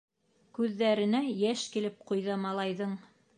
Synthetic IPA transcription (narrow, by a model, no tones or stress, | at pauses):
kʉðːæɾɘ̆næjæʃkilɘp̚qŏjðɑmɑlˠɑjðɤɴ